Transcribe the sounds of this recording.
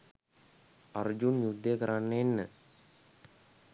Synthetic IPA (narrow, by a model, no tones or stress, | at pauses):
ɐrd͡ʑunjud̪ːekɐɾaɳːenːɨ